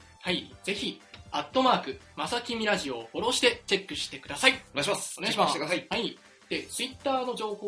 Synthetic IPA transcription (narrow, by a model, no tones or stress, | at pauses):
haiz̥e̞çiat̪ːo̞maːkɯ̟masakʲimʲiɾaʑio̞ho̞ɾo̞ɕi̥t̪e̞t͡ɕe̞kːɯ̟ɕi̥t̪e̞kɯ̟d̪asaiɕmasneɕimaekaaiai | d̪̥e̞t͡sɨit̪ːaːno̞d͡ʑo̞ːho